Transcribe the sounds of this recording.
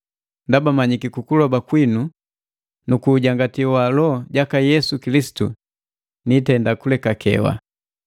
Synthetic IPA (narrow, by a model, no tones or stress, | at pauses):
ndabamaɲikikukulɔbakwinu | nukuːɟaŋɡatiwalɔɟakajɛsukilisi̥tu | nitɛndakulɛkakʰɛ̰wa̰